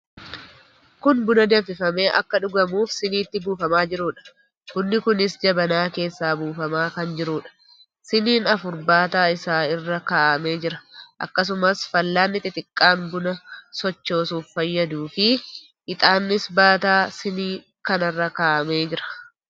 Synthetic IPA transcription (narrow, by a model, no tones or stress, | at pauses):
kʊnbʊnɐd̪eːfɪfɐmeːʔɐ̰kːɐᶑʊɡɐmuːfsɪniːt̪ːɪbuːfɐmaːd͡ʒɪɾuːᶑɐ̥ | kʊnːɪkʊnɪsd͡ʒɐbɐnaːke̞ːsːaːbuːfɐmaːkɐnd͡ʒɪɾuːᶑɐ̥ | sɪniːnɐfʊɾbaːt̪aːɪsaːɪrːɐkaːʔɐme̞ːd͡ʒɪɾɐ̥ʔɐ̰kːɐs̬ʊmɐsfɐlːaːnːɪt̪ɪt̪ʼɪkʼːaːnbʊnɐsɔt͡ʃːo̞ːsuːffɐjːɐd̪uːfɪ | ʔɪt̪ʼaːnːɪsbaːt̪aːsɪniː | kɐnɐrːɐkaːʔɐmeːd͡ʒɪɾɐ̥